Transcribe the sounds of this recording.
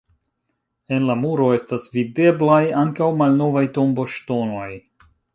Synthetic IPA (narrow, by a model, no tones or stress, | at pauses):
e̞nlamuɾo̞e̞stasvide̞blajaŋkawmalno̞vajto̞mbo̞ʃto̞no̞j